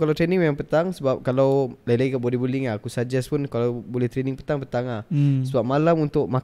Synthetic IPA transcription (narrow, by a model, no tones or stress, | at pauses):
kalat̪ɾenĩŋjaŋpət̪aŋsəbap̚kalawlailaɡikabolɛhbuliŋaakusad͡ʒɛspunkalawbolɛht̪ɾeniŋpə̥t̪aŋpət̪aŋlahsəbap̚malamunt̪ʊʔ̚ma